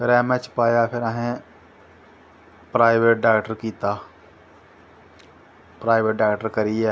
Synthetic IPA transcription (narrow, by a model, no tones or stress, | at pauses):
pʰɪɾɛːmɛt͡ʃpaːjapʰɪɾaɦẽ | pɾaːɪʋeːʈ̚ɖaːkʈəɾkiːt̪aː | pɾaːɪʋeːʈ̚ɖaːkʈəɾkɐɾie